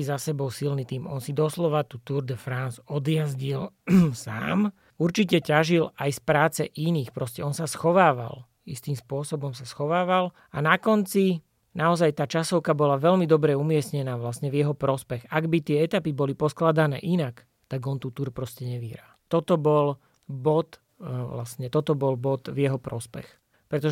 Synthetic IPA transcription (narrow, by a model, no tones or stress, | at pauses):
izasɛbɔlsilnit̪iːmɔ̰nsid̪ɔslɔʋat̪uːt̪uɾd̪ɛfɾansɔd̪jazɟilsa̰ːm | uɾt͡ʃicɛcaʒilajspɾaːt͡sɛʔiniːxpɾɔscɛɔnsasxɔʋaːʋa̰l | ist̪imspʊɔsɔbɔmsasxɔʋaːʋal | anakɔnt͡si | naɔzajt̪aːt͡ʃasɔʊkabɔlaʋɛʎmid̪ɔbɾɛumɪɛsɲɛnaːʋlasɲɛvjɛɦɔpɾɔspɛɣaɡbit̪ɪɛɛt̪apibɔlipɔsklad̪anɛ̰ːʔinak | t̪aɡɔnt̪uːt̪uɾpɾɔscɛɲɛʋiɦɾa̰ːt̪ɔt̪ɔbɔl | bɔt̪ | ʋla̰sɲɛt̪ɔt̪ɔbɔlbɔt̪vjɛɦɔpɾɔspɛ̰x | pɾɛt̪ɔʒ